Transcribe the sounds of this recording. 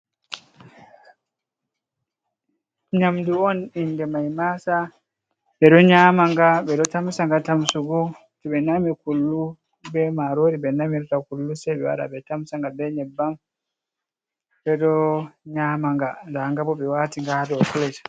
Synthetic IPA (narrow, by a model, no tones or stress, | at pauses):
ɲamduɔnindɛmajmasa | ɓɛɗɔɲamaŋɡaɓɛɗɔtamsaŋɡatamsuɡu | tɛɓɛnamikulːu | bɛmaɾoɾibɛnamiɾɔtakulːusɛɓɛwa̰ɾa̰bɛtamsaŋɡadɛɲɛbːam | bɛɗɔɲaːmaŋɡandaŋɡabɔɓɛwaːtiŋɡahdɔklɛd͡ʒ